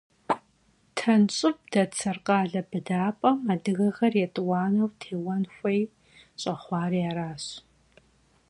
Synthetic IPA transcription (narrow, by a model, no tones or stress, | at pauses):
tʰɐnɕʼɪp̚d̥ɐt͡sʰɐrqɑːɮɐbɨdaːpʼɐmadɨɣɐxɐrjɛtʼwɑːnɐwtʰeːwɐnxʷɐj | ɕʼɐχʷɑːɾijaːɾaːɕ